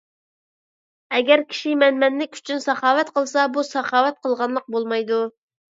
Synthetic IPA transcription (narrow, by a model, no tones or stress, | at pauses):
ɛɡʲɛɾkʲʰi̥ʃimɛnmɛnlɪkʲy̥t͡ʃʰynsɑχɑːwɛt̪qʰəlˠsɑbusɑχɑːwɛt̪̚qʰəlˠʁɑnlˠəq̚bolˠmɑjd̪u